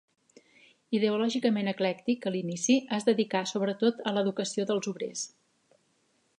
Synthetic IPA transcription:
iðəulɔʒikəmenəklɛkt̪ikəlinisiəzðəðikasoβɾət̪ot̪ələðukəsioðəlˠzuβɾḛs

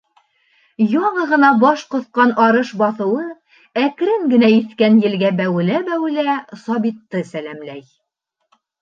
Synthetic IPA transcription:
jɒɴɤʁɤ̆nɑbɑʃqŏθqɑnɑɾɤʃbɑθɤ̆wɤ | ækɾɘŋɡɘ̆næiθkænjɘ̆lɡæbæwɘ̆læbæwɘ̆læsɑbit̪ːɤsælæmlæj

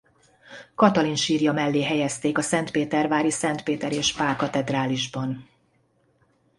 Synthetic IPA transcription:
kɒt̪ɒlinʃiːrjɒmɛlːeːɦɛjɛst̪eːkɒsɛnt̪peːt̪ɛrvaːɾisɛnt̪peːt̪ɛɾeːʃpaːrkɒt̪ɛd̪raːliʒbɒn

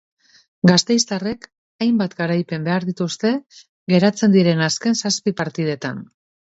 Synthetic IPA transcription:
ɡast̪e̞jst̪are̞k | ajmbat̪ɡaɾajpe̞mbe̞aɾðit̪ust̪e̞ | ɡe̞ɾat͡se̞nd̪iɾe̞naske̞nsaspipaɾt̪ið̞e̞t̪a̰n

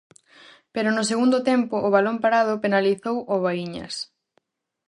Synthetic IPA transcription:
peɾʊnʊs̬eɣund̪ʊt̪ɛmpʊʔːβalompaɾað̞ʊpenaliθowʔoβaiɲɐ̰s

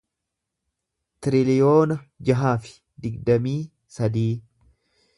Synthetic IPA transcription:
t̪ɪɾɪlɪjo̞ːnɐd͡ʒɐɦaːfɪ̥ | d̪ɪɡd̪ɐmiː | sɐd̪iː

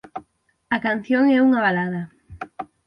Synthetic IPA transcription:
akan̟θjoŋɛuŋaβalaðɐ

